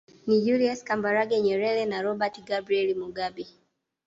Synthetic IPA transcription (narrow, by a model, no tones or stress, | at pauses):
nid͡ʒuliaskambaɾaɡɛɲɛɾɛɾɛnaɾɔbatiɡabɾiɛlimuɡabi